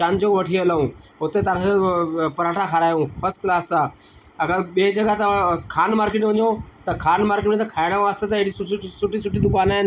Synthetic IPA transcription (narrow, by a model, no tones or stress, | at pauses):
t͡ʃãːnd͡ʑoʋɐʈʰiɐlaũːɦʊt̪et̪əɾ | pɐɾaːʈʰakʰaɾaːjõːpɐsklaːsãː | ɐɡəɾɓeːd͡ʑɐɡat̪ɐkʰaːnmaːɾkɪʈʋʊɲoːt̪ɐkʰaːnmaːɾkɪʈẽt̪ɐkʰaːɪɽ̃aʋaːst̪et̪ɐɪɪɽisʊsʊʈisʊʈid̪ʊkaːna